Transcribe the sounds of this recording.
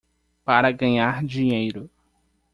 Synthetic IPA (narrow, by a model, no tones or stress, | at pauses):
paɾɐɡɐ̃ɲaɾd͡ʒiɲejɾʊ